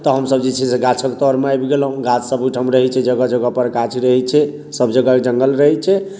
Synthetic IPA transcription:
t̪ɔɦəmsəb̚d͡ʒet͡ʃʰɛseɡat͡ʃʰəkt̪ɔɾmeajbɡelɦũɡat͡ʃsəbuʈʰəmɾəɦɛt͡ʃʰɛd͡ʒəɡad͡ʒəɡapəɾkat͡ʃʰiɾəɦɛt͡ʃʰɛ | səbd͡ʒəɡad͡ʒəŋɡəlɾəɦɛt͡ʃʰɛ

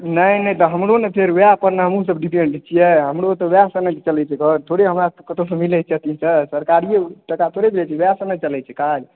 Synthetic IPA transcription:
nəjnət̪ɔɦəmɾonepʰeɾʋeapəɾnəɦəmus̬əbɖipẽɳɖt͡ʃʰijɛɦəmɾot̪ɔbjasənət͡ʃəlɛt͡ʃʰɛkət̪ʰoɽeɦəmɾakət̪osəmilɛt͡ʃʰɛt̪isəsəɾkaɾieʈəkat̪ʰoɽebilɛt͡ʃʰɛbjasənət͡ʃəlɛt͡ʃʰɛkad͡ʒ

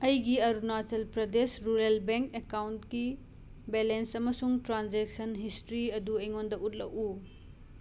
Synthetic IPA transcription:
ɐjɡiɐɾunatɐlpɾɐdesɾuɾelbeŋkekawntki | belensɐmɐsuŋtɾanzek̚sɐnɦistɾiɐduɐjŋondɐut̚lɐ̰ʔu

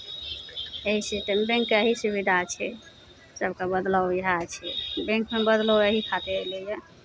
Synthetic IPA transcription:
eɦisiʈembẽŋkəɦisubid̪ʱat͡ʃʰɛ | səbkebəd̪ləwɦat͡ʃʰɛbẽŋkmebəd̪lɔwəɦikʰat̪eɦeləjɛ

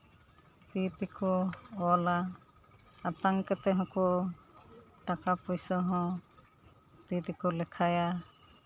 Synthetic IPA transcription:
t̪it̪ikɔɔla | at̪aŋkɛt̪ɛɦɔ̃kɔ | ʈakapɔjsɔɦɔ̃ | t̪it̪ikɔlɛkʰaja

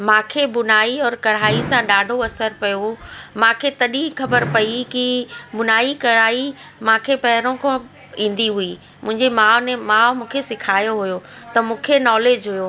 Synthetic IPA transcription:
mãːkʰeɓʊnaːiɔːɾkɐɽ̤aːisãɗaːɖʱoɐsəɾpɐjomãːkʰet̪ɐɗĩxɐbəɾpɐikiɓʊnaːikɐɽaːimãːkʰepɐɦɪɾõkʰõ | ĩːn̆d̪iɦui | mʊ̃ɦɪ̃ɲd͡ʑemaːʋnẽmãːʋmũːkʰesɪkʰaːjoɦʊjot̪ɐmũːkʰenɔːleːd͡ʑɦʊjoː

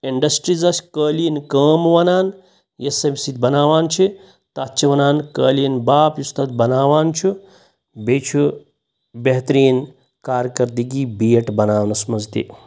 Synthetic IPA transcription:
iɳɖɐsʈɾizɐsʲkəːliːnkəːmʋɐnaːn | jesɐmʲsit̪̚bɐnaːʋaːnt͡ʃʰi | t̪atːt͡ʃʰiʋɐnaːnkəːlinbaːpjust̪ɐt̪̚bɐnaːʋaːnt͡ʃʰu | bet͡ʃʰu | beɦt̪ɾiːn | kaːɾʲkɐɾd̪iɡiːbiːeʈbɐnaːwnɐsmɐzt̪ḭ

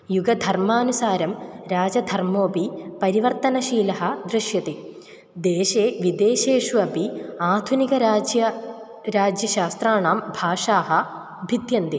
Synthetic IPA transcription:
juɡɐd̪ʱɐrmaːnusaːɾɐmɾaːd͡ʑɐd̪ʱɐrmoːbipɐɾiʋɐrt̪ɐnɐʃiːlɐɦɐd̪ɾɨʂjɐt̪i | d̪eːɕeːʋid̪eːɕeːʂuɐbiaːd̪ʱuniɡɐɾad͡ʑjɐ | ɾaːd͡ʑjɐɕaːst̪raːɳaːmbʱaːʂaːɦɐ | bʱid̪jɐnd̪i

